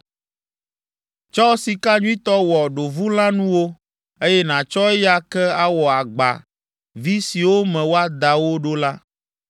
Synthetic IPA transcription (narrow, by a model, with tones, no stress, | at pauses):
t͡ʃɔ˦si˨ka˦ɲũ˦ĩ˦t̪ɔ˦wɔ˨ɖo˨vu˦l̃ã˦nũ˦wo˦ | e˦jɛ˦nã˨t͡ʃɔ˦ɛ˦ja˦kɛ˦a˦wɔ˨a˨ɡ͡ba̰˨ | vi˦si˨wo˦mɛ̃˨wo˦a˦d̪a˨wo˦ɖo˦la˦